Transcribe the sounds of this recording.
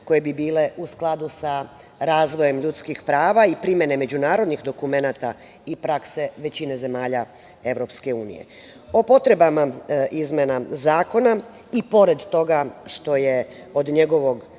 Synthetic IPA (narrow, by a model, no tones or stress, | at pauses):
ko̞jebibiːle̞ʔusklˠad̪usa | ɾaːzʋo̞je̞mʎut̪skixpɾaːʋaipɾimje̞ne̞me̞d͡ʑunaːɾo̞d̪nixd̪o̞kume̞naːt̪a | ipɾakse̞ʋe̞t͡ɕine̞ze̞maːʎa | e̞ʋɾo̞pske̞uːnḭjḛ | o̞po̞t̪ɾe̞bamaʔizmenazaːko̞na | ipo̞ɾe̞d̪t̪o̞ɡaʃt̪o̞je̞ | od̪ɲe̞ɡo̞ʋo̞ɡ